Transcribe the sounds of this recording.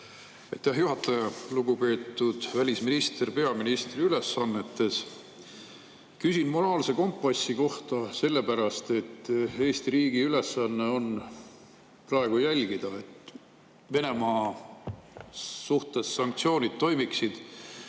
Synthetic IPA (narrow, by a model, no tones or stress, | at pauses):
ɑjt̪ːæɦjuɦɑt̪ːˑɑjɑluɡ̥upe̞ːt̪ːˑud̪̥vælʲisminist̪erpe̞ɑminist̪riyle̞sːɑnːe̞t̪ːe̞s | kysʲinmo̞ɾɑːlse̞ko̞mpːˑɑsːiko̞ht̪ɑse̞lːe̞pæɾɑst̪e̞t̪ːe̞ːst̪iɾiːɡ̥iyle̞sɑnːe̞o̞n | prɑe̞ɡ̥ujælʲɡ̥id̪̥ɑe̞t̪ːˑ | ve̞ne̞mɑː | suht̪e̞sːɑŋk̚t̪sio̞ːnʲid̪̥̚t̪o̞jmiksid̪̥